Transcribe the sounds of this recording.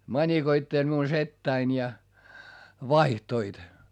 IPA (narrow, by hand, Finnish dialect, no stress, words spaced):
mɑnʲikoitːelʲ miun setːæin jɑ ʋɑihtoit